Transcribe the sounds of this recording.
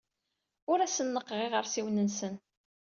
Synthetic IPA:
ʊɾæsənːəqːʁiʁəɾsiwnənsən

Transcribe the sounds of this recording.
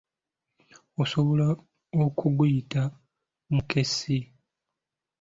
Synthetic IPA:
oso̞βo̞la | okʰuɡujita | muke̞si

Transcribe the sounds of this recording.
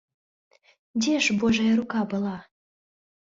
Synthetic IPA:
dʲeʃboʒɑjɾukɑbɤ̆lˠɑ

